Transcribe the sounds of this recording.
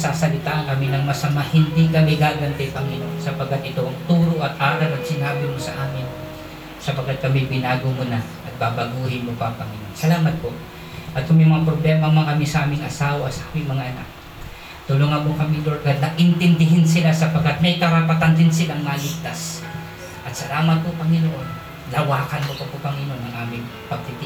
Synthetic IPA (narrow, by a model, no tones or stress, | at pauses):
saːsɐlɪt̪aːʔɐŋkɐminɐŋmɐsɐmahɪnd̪ikɐmɪɡaːɡɐnt̪ɛp̪ɐŋɪnosɐpɐɡat̪̚ɪt̪oʔɐŋt̪uːɾoʔɐt̪̚ʔaːɾɐɾɐt̪̚sɪnaːbɪmosɐʔaːmɪn | sɐpɐkat̪̚kɐmɪbɪnaːɡʊmonaʔɐt̪̚baːbɐɡuːhɪnmopɐpɐŋɪnonsɐlaːmɐt̪̚po | ʔɐt̪̚kʊmɪmɐŋapɾoblɛmɐŋmɐŋʔɐmɪsɐʔaːmɪŋɐsaːwɐsɐʔamɪmɐŋaʔɐna̰k̚ | t̪ʊloŋamokɐmiloɹɡad̪lɐʔɪnt̪ɪnd̪ɪɦɪnsɪlasɐpɐɡat̪̚mɐjkɐɾɐpat̪and̪ɪnsɪlaŋmɐalɪɡ̚t̪as | ʔɐt̪sɐlaːmɐt̪̚popɐŋɪnoʔon | lɐwaːkɐnmopɐpopɐŋɪnonɐŋʔaːmɪŋ | pɐɡ̚t̪ɪt̪ɪ